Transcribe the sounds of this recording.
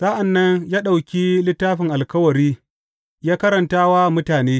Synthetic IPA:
saː˦ʔa˨nːɐ˦ɲjaː˦ɗa˨wkʲi˦lɪ˦tːaː˦ɸɪ˨ŋʔa˨lkɐ˦wɐ˨ɾiː˦ | jaː˦kɐ˦ɾɐ˨ntaː˦wa˦mʊ˦taː˨neː˦

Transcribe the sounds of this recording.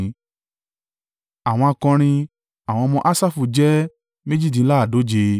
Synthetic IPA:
a˨w̃ɔ̃˧a˧kɔ̃˧ɾ̃ĩ˧ | a˨w̃ɔ̃˧mɔ̃˧ʔa˦sa˦˨fu˨˧d͡ʒɛ˦ | mẽ˦d͡ʒi˦˨d̬ĩ˨˧˦la˦a˦˨do˨˦d͡ʒe˧

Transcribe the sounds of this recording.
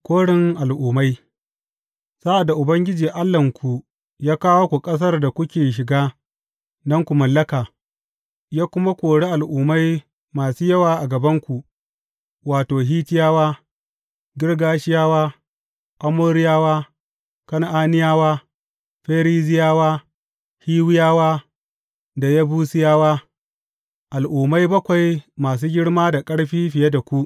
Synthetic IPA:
kʷoː˦ɽɪ˨ŋʔa˨lʔuː˨ma˦j | sa˦ʔa˨dːa˨ʔʊ˨bɐ˦ŋɡʲɪ˦d͡ʒiː˨ʔa˦lːɐ˨ŋkʷu˨ | jaː˦kaː˦wo˦kʷu˨kʼɐ˦s̬ɐ˦rda˨kʷʊ˦kʲeː˨ʃ̬ɪ˨ɡaː˦ | nɐ˦ŋkʷu˨mɐ˨lːɐ˦kaː˨ | jaː˦kʷʊ˦ma˦kʷoː˨ɽe˦ʔa˨lʔuː˨ma˦j | maː˨suː˦jɐ˦waː˨ʔa˨ɡɐ˨bɐ˦ŋkʷu˨ | waː˨toː˨ɦiː˦tɪ˦jaː˦waː˦ | ɡʲɪ˦ɽɡaː˦ʃɪ˦jaː˦waː˦ | ʔa˦moː˦ɽɪ˦jaː˦waː˦ | kɐ˦n˦ʔaː˦nɪ˦jaː˦waː˦ | ɸeː˦ɾiː˦zɪ˦jaː˦waː˦ | hiː˦wɪ˦jaː˦waː˦ | da˨ja˦buː˦sɪ˦jaː˦waː˦ | ʔa˨lʔuː˨ma˦jbɐ˦kʷa˨jmaː˨s̬uː˦ɡʲɪ˦ɽmaː˦da˨kʼɐ˦ɽɸiː˦ɸɪ˨je˦da˨kʷu˦ʔ

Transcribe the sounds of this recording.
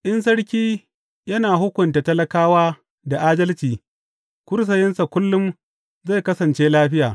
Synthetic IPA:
ʔɪ˦ns̬ɐ˦ɽkʲiː˦ | jɐ˦naː˨ɦʊ˦kʷʊ˨nta˨tɐ˦lɐ˦kaː˦waː˦ | da˨ʔaː˦dɐ˦lt͡ʃiː˨ | kʷʊ˦ɾs̬ɐ˨jɪ˦nsa˨kʷʊ˦lːʊ˦m | za˦˨jkɐ˦sɐ˨nt͡ʃeː˦laː˦ɸɪ˦jaː˨

